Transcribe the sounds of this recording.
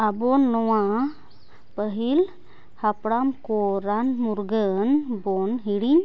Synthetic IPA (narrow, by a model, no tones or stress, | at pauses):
abonlowã | pəɦil | hapɽamkoɾanmuɾɡənbonɦiɽiɲ